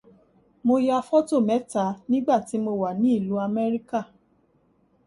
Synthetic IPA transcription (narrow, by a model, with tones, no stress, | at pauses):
mo˧ja˧fɔ˦to˦˨mɛ̃˨˦ta˨˦nĩ˦ɡ͡ba˦˨ti˨˦mo˧wa˨nĩ˨˦i˦˨lu˨˦a˧mɛ˦ɾi˦ka˦˨